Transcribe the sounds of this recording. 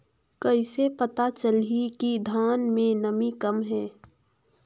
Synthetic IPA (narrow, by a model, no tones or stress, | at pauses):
kəɪsepɐt̪at͡ʃəlikid̪ʱaːnmẽnəmikəmɦɛː